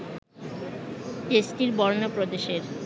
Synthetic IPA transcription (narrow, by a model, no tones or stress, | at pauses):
tesʈiɾbɔɾnopɾod̪eʃeɾ